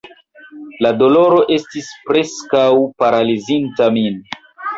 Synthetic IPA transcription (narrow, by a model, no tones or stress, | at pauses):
lado̞lo̞ɾo̞ʔe̞stispɾe̞skawpaɾalizintamin